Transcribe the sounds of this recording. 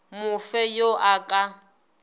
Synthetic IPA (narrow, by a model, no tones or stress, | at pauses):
mʊfɛjoʔakʼa